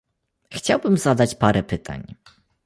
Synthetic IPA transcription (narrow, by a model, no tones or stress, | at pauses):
xt͡ɕawbɘmzad̪at͡ɕpaɾɛpɘt̪ʰa̰ɲ